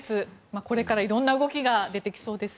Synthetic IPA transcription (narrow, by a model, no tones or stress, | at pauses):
t͡sɨmako̞ɾe̞kaɾaiɾõ̞nːaɯ̟ɡo̞kʲiɡad̪e̞t̪e̞kʲi̥so̞ːd̪e̞sɨ̥